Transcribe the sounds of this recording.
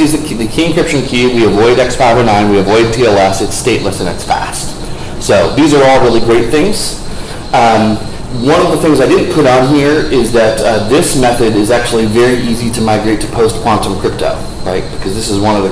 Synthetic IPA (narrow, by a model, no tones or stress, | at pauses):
izɨ | ðɨkʰĩnkʰɹ̥ɪp̚ʃɨ̃nkʰiwiɨvɔɪɾɛksfaɪvəʊnãɪ̃nwiɨvɔɪd̚tʰiɛlˠɛsɨtsteɪʔˡləsɨ̃nɨ̰tsfæ̰st | soʊðizə˞ɔlˠɹɪlˠiɡɹeɪt̪̚θɪ̃ŋz̥ | wʌ̃nʌvðəθɪ̃ŋzaɪdɪdⁿn̩pʰʊɾn̩ɦiɹɪzðɨt̪̚ðɪsmɛθɨɾɪzæk̚t͡ʃul̩ˠivɛɹiiziɾɨmaɪɡɹeɪtʰɨ̥pʰoʊstkʰw̥ɑ̃ntə̃mkʰɹ̥ɪp̚tʰo̰ʊ | ɹaɪt̚b̥ɨkʰʌzðɪsɨzwʌ̃nʌvðɨ